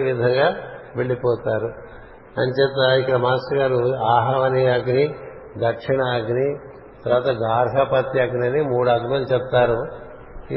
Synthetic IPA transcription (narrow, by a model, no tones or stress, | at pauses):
ʋid̪ʱɐŋɡaːʋeɭːipɔːt̪aːɾu | ɐnt͡ʃɛt̪ːaikːɐɽɐmaːsɐɡaːɾuaːɦaʋɐniaɡni | d̪ɐɾkʂiɳɐːɡni | t̪ɐɾʋaːt̪ɐɡaːɾɦɐpɐt̪ːiɐɡniɐnimuːɽɐd̪ʱumɐnt͡ʃɛp̚t̪aːɾu